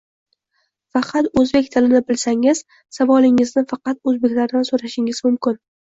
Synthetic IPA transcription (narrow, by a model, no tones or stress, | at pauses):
fɑqʰɑt̪ɵzbe̞kʲt̪ʰɪlɪnɪbɪlsaŋɪz̥ | savɒlˠɪŋɪznɪfɑqɑt̪ɵzbe̞kʲlaɾd̪ansoɾaʃɪŋɪzmʊmkʲɪn